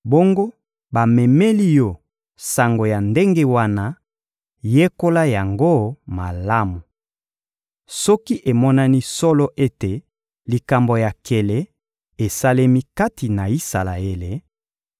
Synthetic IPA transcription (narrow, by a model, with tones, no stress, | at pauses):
bo˦ŋɡo˦ | ba˨mɛ˨me˦li˦jo˦˨ | sa˨ŋɡo˨ja˨nde˦ŋɡe˦wa˦na˦ | je˦ko˦la˦ja˨ŋɡo˦ma˨la˦mu˨ | sɔ˦ki˦ʔe˨mɔ˦na˦ni˦sɔ˦lɔ˦ʔe˦te˨ | li˨ka˨mbo˨ja˨kʰe˨le˨ | e˨sa˦le˦mi˦ka˦ti˨na˨i˦sa˨la̰˨e˦le˨